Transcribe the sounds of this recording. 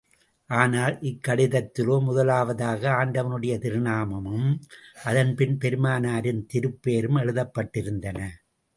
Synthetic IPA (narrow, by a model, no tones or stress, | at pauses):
ʔaːnaːlʔɪkːɐɽɪðɐt̪ːɪloːmʊðɐlaːʋɐðaːɣɐaːɳɖɐʋɐnɯɽɐjɐt̪ɪɾɪnaːmɐmɯmʔɐðɐnpɪnpɛɾɯmaːnaːɾɯnt̪ɪɾɯpːeːɾɯmɛɻɯðɐpːɐʈːɪɾɯnd̪ɐnɐ